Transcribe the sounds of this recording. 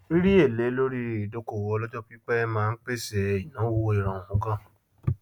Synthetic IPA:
i˦ɾi˦e˦˨le˨˦lo˦ɾi˦˨do˦ko˦˨wɔ˧lɔ˦d͡ʒɔ˦pi˦k͡pɛ˦mãː˦˧n̩˦k͡pe˦˨se˧˨i˨nã˨˦wo˦i˦˨ɾã˨ũ˨˦kã˦˨

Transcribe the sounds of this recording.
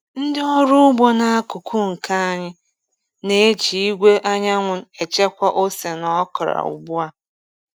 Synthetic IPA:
n̩˦dɪ˦ɔ˦ɾʊ˦bɔ˦na˦a˦kʊ˨kʰu˦ŋ̩˨kʰa˦a˦ɲɪ˦ | ne˦e˦t͡ʃi˨i˦ɡʷe˦ʔa˦ɲa˦ŋʷʊ˦e˨t͡ʃe˦kʷa˦ʔo˦se˨nɔ˦kɔ˨ɾa̰˨ṵ˨bu˦a˦

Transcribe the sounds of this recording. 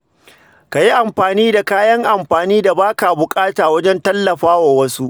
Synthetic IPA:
ka˨ji˦ʔa˨mɸaː˨niː˦da˨kaː˦jɐ˦ŋʔa˨mɸaː˨niː˦da˨baː˦kaː˨bʊ˨kʼaː˦taː˨wɐ˦d͡ʒɛ˦ntɐ˦lːɐ˨ɸaː˦waː˨wɐ˦su˦ʔ

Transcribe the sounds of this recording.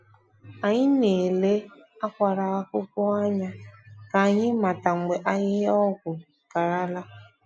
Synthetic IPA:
a˨ɲɪ˦ne˨le˦ | a˦kʷa˨ɾa˨a˦kʊ˦kʊ˦a˦ɲa˦ka˨ɲɪ˦ma˨ta˨ŋ͡m̩˨ɡ͡be˨ʔa˦ɲɪ˦ɦɔ˦ɡʷʊ˨ | ka˨ɾa˦la˦

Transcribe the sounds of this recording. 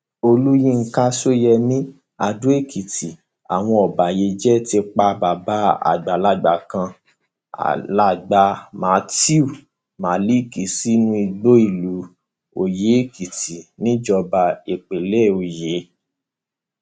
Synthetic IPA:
o˧lu˦jĩ˦˨ŋ̩˧ka˦so˦jɛ˧mĩ˦ | a˧du˦e˦˨ki˨ti˨ | a̰˨w̃ɔ̃˧ɔ˨ba˨je˧˦d͡ʒɛ˦ti˧k͡pa˧ba˨ba˦a̰˨ɡ͡ba˨la˦ɡ͡ba˨kã˧ | a̰˨la˦˨ɡ͡ba˧ma˨˧˦ti˦u˨ | ma˨li˦˨ki˨si˦nũ˦i˧ɡ͡bo˦i˦˨lu˨˦ | o˨je˨˦e˦˨ki˨ti˨nĩ˦d͡ʒɔ˧ba˧e˨k͡pe˨lɛ˦˨o˨je˨˦

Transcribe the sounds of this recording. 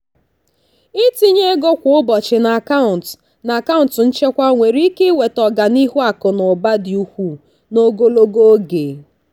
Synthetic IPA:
ɪ˦ti˦ɲe˦ɡo˦kʷʊ˨˦ʊ˦bɔ˨t͡ʃɪ˨na˨ka˦ʊ˨t | na˨ka˦ʊ̃˨n̩˨tʊ˨n̩˦t͡ʃe˦kʷa˦ŋʷe˨ɾi˦i˦ke˦we˨tɔ˨ɡa˨ni˦ɦu˦a˨kʊ˨nʊ˨ba˦dɪ˨u˦kʷu˦ | no˦ɡo˦lo˦ɡo˦ɡe˨

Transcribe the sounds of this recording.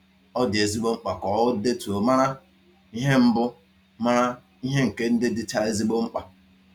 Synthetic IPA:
ɔ˦dɪ˨e˨zi˦ɡ͡bo˦ŋ͡m̩˦k͡pa˨kɔ˨ʊ˦de˦tu˨o˨ma˦ɾa˦ | i˦ɦe˦m̩˦bʊ˦ | ma˦ɾa˦ | i˦ɦe˦ŋ̩˨ke˦n̩˦dɪ˦dɪ˦t͡ʃa˦e˦zi˦ɡ͡bo˦ŋ͡m̩˦k͡pa˨

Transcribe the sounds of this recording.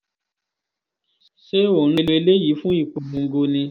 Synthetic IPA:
ʃe˦o˨ɾ̃ĩ˧le˧le˦ji˨˦fũ˦i˦˨k͡po˨mũ˨˦ɡo˧nĩ˧

